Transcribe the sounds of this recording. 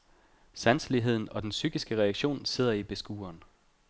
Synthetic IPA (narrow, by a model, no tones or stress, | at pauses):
sænsliɦe̝ð̰ˠn̩ɒ̽d̥ensyɡ̥isɡ̥əʁɛɑɡ̥ɕo̝̰ːnse̝ð̞̰ˠɐib̥e̝sɡ̥uːɐn